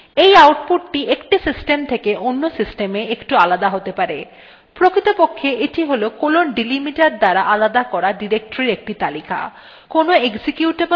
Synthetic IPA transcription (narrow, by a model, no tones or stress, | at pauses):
ejawʈ̚poʈʈiʔekʈisisʈemt̪ʰekeʔonːosisʈemeekʈualad̪aɦot̪epaɾe | pɾokit̪opokʰːeʔiʈʰiɦolokolonɖilimiʈaɖ̚d̪aɾaʔalad̪akɔɾaɖiɾek̚ʈoɾiɾek̚ʈit̪alikʰa̰ | konoeksikjuʈe